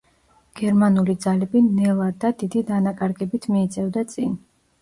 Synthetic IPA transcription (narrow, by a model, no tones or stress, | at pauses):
ɡ̥ɛɾmanulid̪zalɛbinɛlˠad̪ad̪id̪id̪anakʼaɾɡɛbit̪ʰmiːt̪sʼɛvd̪at̪sʼin